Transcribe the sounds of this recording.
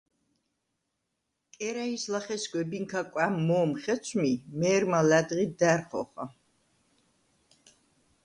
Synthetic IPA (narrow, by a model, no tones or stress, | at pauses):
kʼɛɾaislaχɛsɡwɛbiŋkʰakʼwamːɔːmχɛt̪sʰmimɛːɾmalæd̪ʁid̪æɾχɔ̰χɔ